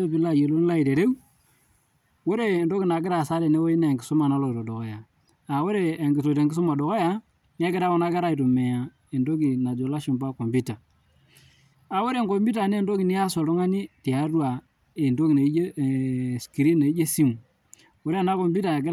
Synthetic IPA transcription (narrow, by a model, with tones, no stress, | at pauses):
e˦bi˦la˦˨je˨lo˦nla˦i˨de˨ɾe˦w | wo˦ɾe˦˨ndo˦ki˦˨na˨kɪ˦ɾa˨sa˦ɾe˨ne˦wo˦i˦na˨ŋɡɪ˨sʊ˦ma˨na˦lɔ˨to˨do˨ko˨ja˨ | a˨wo˦ɾe˦˨ŋɡɪ˨s̬o˨te˨ŋɡɪ˦sʊ˦ma˨do˨ko˦ja˦ | n˦a˦kɪ˦ɾa˦o˦na˦ka˦ɾa˦i˨to˨me˨ja˨ | e˨ndo˦ki˨na˨d͡ʒo˨la˦ʃi˨mba˦ko˨mbu˦ta˨ | a˨wo˦ɾe˦˨ŋko˨mbi˦ta˨ne˦ndo˦ki˨ni˦ja˦so˨tɔ˦ŋa˦ni˦ti˨a˨˦ɾwa˨ | e˨ndo˦ki˨ne˨i˦d͡ʒe˦˨ski˨ɾi˦ne˨i˦d͡ʒe˦si˦m | wo˦ɾe˦a˨na˦ko˨mbu˦ta˨kɪ˦ɾ